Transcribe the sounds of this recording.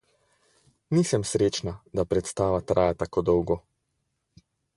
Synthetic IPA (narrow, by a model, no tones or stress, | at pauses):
niːsɛmsɾeːt͡ʃnad̪apɾɛt̪st̪aːʋat̪ɾaːjat̪akoːd̪ɔwɡɔ